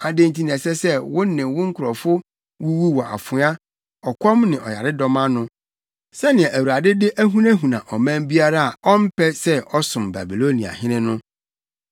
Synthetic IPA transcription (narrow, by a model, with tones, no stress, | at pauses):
a˨dẽ˦ntʰi˨n˨ɛ̃˨sɛ˦sɛ˦wʊ̃˦nɪ̃˨wʊ̃˦ŋ̩˦kʰʊ˨ɾɔ˨fʊ˦ | wu˦wu˦wɔ˨ʔa̰˨fʊ˨˦a˦ | ɔ˨kʷʰɔ̃˦mnɪ̃˨ʔɔ˨ja˨ɾɪ˦dɔ˦mã˦nʊ̃˦ | sɛ˦nɪ̃˨ɛ̃˨ʔæ˨wu˨ɾa˨dɪ˦dɪ˦ʔæ˦ɦũ˦næ̃˦ɦũ˨nã̰˨ʔɔ˨mæ̃˦mbi˦a˦ɾa˦a˨ɔ˦m̩˦pʰɛ˦sɛ˦ʔɔ˦sʊ̃˨mba̰˨bi˨lo˦nĩ˨a̰˨hɪ̃˦nɪ̃˦nʊ̃˦